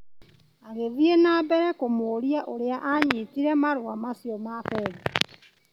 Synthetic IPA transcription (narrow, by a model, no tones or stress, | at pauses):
aɣeðjenabɛɾɛkomoːɾiaʔoɾeaʔaɲitiɾɛmaɾwamasiomafɛβi̥